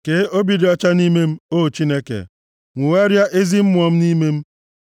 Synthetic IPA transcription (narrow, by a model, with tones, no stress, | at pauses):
ke˨˦o˦bi˨di˨ɔ˦t͡ʃa˦ni˦me˦m̩˦o˦˨t͡ʃi˦ne˦kḛ˨ | ŋʷu˨we˦ɾja˦ʔe˦zi˦m̩˦mʷ˦ɔ˨m̩˦ni˦me˦m̩˦